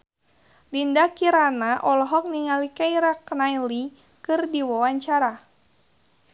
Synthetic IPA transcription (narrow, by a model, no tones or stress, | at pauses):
lindakiɾanaʔɔlɔɦɔk̚niŋalikaiɾaknajli | kɨrdiwawaɲt͡ʃaɾa